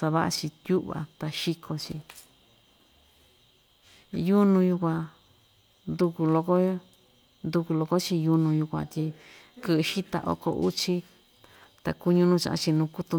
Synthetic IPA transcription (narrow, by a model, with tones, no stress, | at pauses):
sa˧βa˦ʔa˧t͡ʃi˧t̪ʲju˦ʔβa̰˨t̪a˧ʃi˧kʰo˧t͡ʃi˧ | ju˦nũ˧ju˧kʷã˧ | nd̪u˧ku˧lo˧ko˦ | nd̪u˧ku˧lo˧ko˦t͡ʃi˧ju˧nũ˧ju˧kʷã̰˧t̪ʲi˧ | kɨ˧ʔʃi˦t̪a̰˧˨ʔo̰˦ko̰˧˨ʔu˦t͡ʃi˧ | t̪a˨ku˧ɲũ˧nũ˧t͡ʃã˧ʔã̰˧t͡ʃi˧nũː˧ku˦t̪u˧